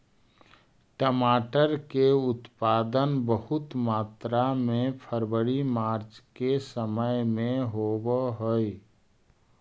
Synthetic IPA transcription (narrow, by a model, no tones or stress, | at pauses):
ʈəmaːʈəɾkeʊt̪paːd̪ənbəɦʊt̪maːt̪ɾamẽpʰəɾwəɽimaːɾt͡ʃkesəməjmẽɦobɦoj